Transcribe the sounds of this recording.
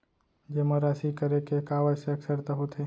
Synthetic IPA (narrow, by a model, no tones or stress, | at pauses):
d͡ʒeməɾaːsikəɾekekaːʋəseɐksəɾt̪aɦot̪ʰe